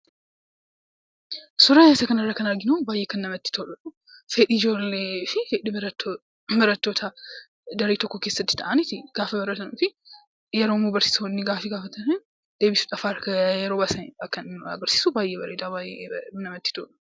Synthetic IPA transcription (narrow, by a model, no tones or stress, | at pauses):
sʊɾajaːsɐkɐnɐrːɐkɐnɐɾɡɪnɐwbaːjːɛkɐnnɐmɐt̪ːɪ̥t̪ʰoːᶑɐᶑu | feːᶑid͡ʒoːlːefɪfeːᶑibɐɾɐt̪ːo | bɐɾɐt̪ːoːt̪ʰa | d̪ɐɾet̪ɔkːokeːsːɐt̪ːɪ̥t̪ɐ̰ʔanit̪ɪɡ̥aːfɐbɐɾɐt̪ɐnufɪ | jɛɾoːmubɐɾsi̥suhɔnːiɡaːfɛɡaːfɐt̪ʰɐnɐn | d̪eːbisu̥t̪ʼɐfaːɾkɐjɛɾoːbasɐnɐkːɐnɐ̰ɡɐɾsi̥ːsubaːjːɛbɐɾed̪abajɛnɐmɐt̪ːɪ̥t̪oːᶑʊ̥